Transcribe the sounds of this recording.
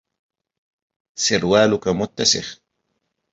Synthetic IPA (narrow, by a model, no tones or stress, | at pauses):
sɪɾwaːlʊkamʊt̪ːasɪ̰x